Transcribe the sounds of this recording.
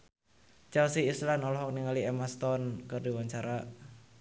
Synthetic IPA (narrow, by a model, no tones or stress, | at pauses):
t͡ʃawsiːslanɔlɔɦɔk̚niŋaliemast̪ɔnkɨrdiwaɲt͡ʃaɾa